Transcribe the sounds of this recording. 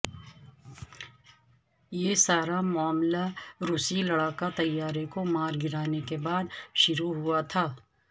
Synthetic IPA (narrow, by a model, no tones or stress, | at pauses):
jeːsaːɾamʊaːmlaɾuːsilɐɽaːkat̪ɐjːaːɾekomaːɾɡɪɾaːnekebaːd̪ʃʊɾuɦʊat̪ʰaː